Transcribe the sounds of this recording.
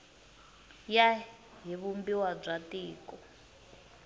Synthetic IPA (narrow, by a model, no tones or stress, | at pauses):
ja | ɦiβumbiwab͡ʐatiːkɔ